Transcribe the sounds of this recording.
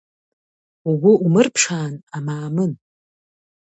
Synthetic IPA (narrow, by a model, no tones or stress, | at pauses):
uɡʷʊumɨrpʰʂaːnamaːmɨn